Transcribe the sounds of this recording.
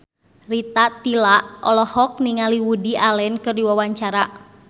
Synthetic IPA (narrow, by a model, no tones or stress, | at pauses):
rit̪at̪ilaʔɔlɔhɔk̚niŋaliwudialɛnkɨrdiwawaɲt͡ʃaɾaʔ